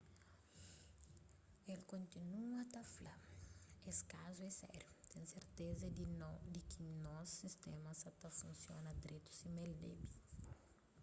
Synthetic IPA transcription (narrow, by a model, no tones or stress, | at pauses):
elkõnt̪inuɐt̪afla | eskazuɛsɛ̰ɾjut̪ɛ̃nseɾt̪ezɐd̪inod̪ɪkʰinɔsːist̪ɛmɐsɐt̪ɐfũnsjõ̰nɐd̪ɾet̪u̥simeld̪ḛbi